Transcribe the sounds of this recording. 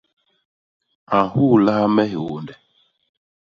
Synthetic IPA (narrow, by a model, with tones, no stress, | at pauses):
a˨hu˦˨la˦mɛ˦ɦi˨wo˨ndɛ˨